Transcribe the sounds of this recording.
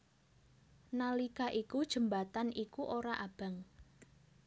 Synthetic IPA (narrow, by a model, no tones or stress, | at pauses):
nalikaʔikud̥ʒ̥ə̤mbat̪anikuʔoɾaʔab̥a̤ŋ